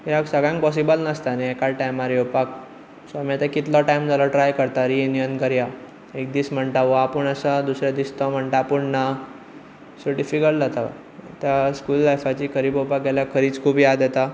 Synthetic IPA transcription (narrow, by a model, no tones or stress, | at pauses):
iɾaksəɡɭjãŋk̚pɔs̬ibəlnəst̪aniekaʈajmaɾjowpak̚ | sɔmjat̪akit̪lɔʈajmd͡zalɔʈɾajkəɾt̪aɾienijənkəɾja | ek̚d̪iːsm̤əɳʈ̪aʋɔaapəɳəsəd̪usɾjad̪ist̪ɔm̤əɳʈapəɳna | sɾuʈifikəld͡zat̪aʋa̰ | t̪jaskuːlːajfat͡ɕiːkʰəɾiːbopak̚ɡɛljakʰəɾiːt͡skʰuːbjad̪jɛt̪a